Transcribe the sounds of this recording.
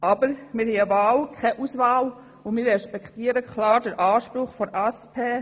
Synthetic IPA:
ɑːbəɾmɪɾhiəvaːlkʰɛʔusvaːl | ʊnmɪːɾɛʃpɛktiːəɾəkʰlɑːɾdəɾʔaːʃpɾʊχfɔnʔaspʰeː

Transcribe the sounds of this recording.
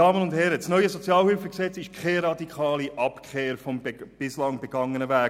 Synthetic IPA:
ɑːmənʊndhɛɾəsnœʏəzɔt͡sjɑːlhylfəksɛt͡sɪʃkʰχeɾɑd̪ikχɑːliʔɑpkχeːɾfɔmb̥ɪslɑŋbɛɡ̥ɑŋənəvæːk

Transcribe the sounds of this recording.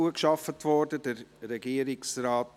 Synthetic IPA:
uəkʃɑfətʋɔɾdədəɾɾɛɡiːəɾɪksraːt

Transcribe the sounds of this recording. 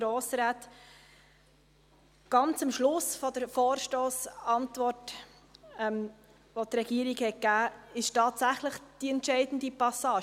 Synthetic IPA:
ɾoːsɾæːt | ɡ̥ɑnt͡səmʃlʊsfɔd̥̪əɾfɔːɾʃtoːsɑntvɔrt | ɛm | ʋɔtɾɛɡiːəɾikhɛkæːɪʃtɑːtsæχləχd̥iɛntʃɛɪdn̩d̥ipɑsɑːʃ

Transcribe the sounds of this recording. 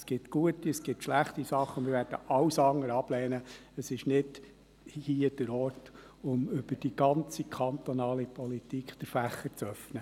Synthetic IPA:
sɡ̥ɪtɡ̥uətiəsɡ̥ɪtʃlæχtisɑχːəmɪɾvʋæːɾd̥əʔɑwsɑŋəɾɑb̥lɛːnəəsɪʃnɪd̥ | hiːəd̥əɾɔːrt | ʊmʏb̥əd̥iɡɑnt͡sikʰɑnt̪ɔnɑːlipʰɔlitikχt̪əɾfæχːəɾt͡sœfnə

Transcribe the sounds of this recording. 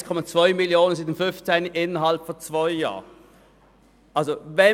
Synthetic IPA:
skʰɔmat͡sv̥aɪmiljoːnənzid̪nfʏnft͡sɛɪnʔɪnːəɦalpfɔt͡sv̥aʏja̰ː | ʔalzovɛ

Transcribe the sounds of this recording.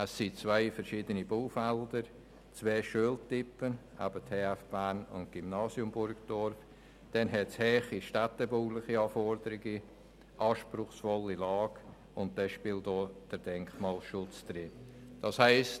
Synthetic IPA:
əsːit͡svaɪfɛɾʃiːdəniboːfɛldəɾ | t͡sveːʃuəltɪpːəna̰bətʰeːafb̥aːnʊ̰ntɡ̥ymnɑːsjʊmbʊɾɡd̥ɔɾf | d̥ɛnɦɛtshɛːχiʃtatəboːlɪχiɑːfɔɾdəɾɪɡi | ʔɑːʃpɾʊχsfɔlːilɑːɡ | ʊnt̚d̥ɛʃpɪːltoːd̥əɾd̥ɛŋkmɑːlʃʊt͡sd̥ɾɪd̥ɑshaɪst

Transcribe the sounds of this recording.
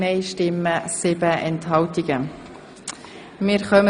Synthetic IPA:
neɪʃtɪmːəsɪbəʔɛnthɑltiɡ̥ə | mɪːɾχœmə

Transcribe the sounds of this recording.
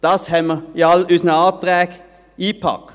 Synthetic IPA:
d̪̥ɑshɛmjɑlʉsnɑɑːt̪̚d̪̥ʁɛk | iːpʰɑ̰k

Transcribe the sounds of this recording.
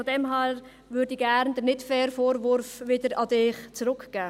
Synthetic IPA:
fɔdɛmɦæɾ | vʏɾdiɡæɾnd̥̪ənɪtfɛːɾfoːɾvʊɾfʋɪdəɾɑdɪːχt͡sɾʊkɡ̥æː

